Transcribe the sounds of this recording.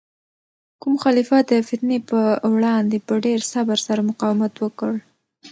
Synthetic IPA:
kumxɑlifɑt̪̚d̪əfɪt̪nepəwɽɑnd̪epəɖeɾsabaɾsaɾamʊqɑwɪmat̪wəkəɽ

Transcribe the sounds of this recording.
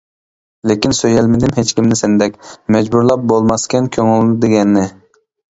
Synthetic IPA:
lekʲinsøjɛlmɪd̪ɪmɦet͡ʃkʲimnɪsɪnd̪ɛkʲmɛd͡ʒbuɾlˠɑp̚bolˠmɑskʲɛnkʲʰøŋylɪd̪eɡʲɛnːɪ

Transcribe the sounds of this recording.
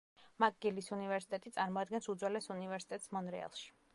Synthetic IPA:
mak̚ɡilisunivɛɾsi̥t̪ʼɛt̪ʼit̪sʼaɾmɔad̪̚ɡɛnsud̪zwɛlɛsunivɛɾsi̥t̪ʼɛt̪ʼsmɔnɾɛa̰lˠʃi̥

